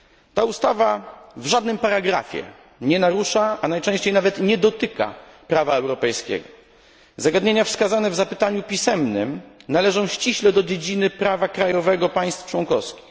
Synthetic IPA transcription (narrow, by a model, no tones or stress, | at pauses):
t̪aust̪avavʐad̪nɘmpaɾaɡɾa̰fʲjɛ̰ | ɲɛnaɾuʂaʔanajt͡ʂɛ̃w̃ɕt͡ɕejnavɛt̪ɲɛd̪ɔt̪ɘka̰pɾavaɛwɾɔpɛjskʲɛ̰ɡɔ | zaɡad̪ɲeɲafskazanɛvzapɘt̪aɲupʲisɛmnɘmnalɛʐɔ̃w̃ɕt͡ɕiɕlɛd̪ɔd͡ʑed͡ʑinɘpɾavakɾajɔvɛɡɔpaj̃st̪ft͡ʂwɔŋkɔfskʲi̥x